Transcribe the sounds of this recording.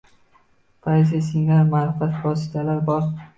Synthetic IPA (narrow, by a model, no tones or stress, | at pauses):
pʰajs̬esɪŋamaɾfat̪vɒsɪ̥t̪ʰalaɾbɒɾ